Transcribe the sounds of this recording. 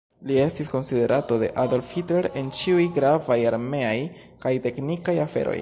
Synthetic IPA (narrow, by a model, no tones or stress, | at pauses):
lie̞stisko̞nside̞ɾʔato̞de̞̰ʔado̞lfhitle̞ɾe̞nt͡ʃiujɡɾavajaɾme̞aj | kajte̞knikajafe̞̰ɾo̞̰j